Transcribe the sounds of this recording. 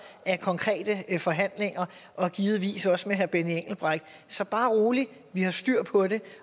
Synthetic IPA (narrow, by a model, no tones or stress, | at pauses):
æɐkʰɒ̽ŋkʰʁɛ̰ːd̥əfɒ̽ɦæn̰le̝ŋɐʔɒ̽ɡ̥iːð̞̩ˠʋḭːsɒ̽səmeɦæɐb̥enieŋ̰ɡ̥l̩b̥ʁaɡ̥d̥ | sɒ̽b̥ɑ̈ːʁo̝ːli | ʋihɑ̈sd̥yɐ̰pʰɒ̽ɾe̝